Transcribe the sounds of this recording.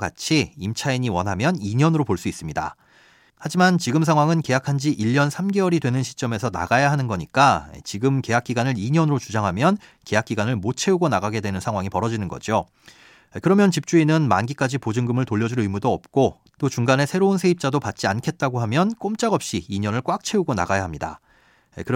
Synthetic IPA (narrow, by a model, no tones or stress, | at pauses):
ɡa̰t͡ɕʰiimt͡ɕʰaiɲiwʌnɦamjʌniɲʌnɯɾopoɭs͈uis͈ɯmɲida̰ | had͡ʑimant͡ɕiɡɯmsʰaŋɦwaŋɯnke̞jakʰand͡ʑiʔiʎːʌnsʰamɡe̞ʌɾidwe̞nɯnɕʰi̥t͡ɕ͈ʌme̞sʰʌna̰ɡajaɦanɯnɡʌɲik͈a̰t͡ɕiɡɯmke̞jak͈iɡanɯɾiɲʌnɯɾot͡ɕud͡ʑaŋɦamjʌn | ke̞jak͈iɡanɯɭmot͡ɕʰe̞uɡonaɡaɡe̞dwe̞nɯnsʰaŋɦwaŋipʌɾʌd͡ʑinɯnɡʌ̰d͡ʑio | kɯɾʌmjʌnt͡ɕip̚t͡ɕ͈uinɯnmanɡik͈ad͡ʑipod͡ʑɯŋɡɯmɯɭtoʎːʌd͡ʑuɾɯmudoʌp̚k͈o | t͈ot͡ɕuŋɡane̞sʰe̞ɾonsʰe̞ip̚t͡ɕ͈adopat̚t͡ɕ͈iankʰe̞t̚t͈aɡoɦamjʌnk͈omt͡ɕ͈aɡʌp̚ɕ͈iːɲʌnɯɭk͈wak̚t͡ɕʰe̞uɡona̰ɡajaɦamɲida̰ | kɯɾ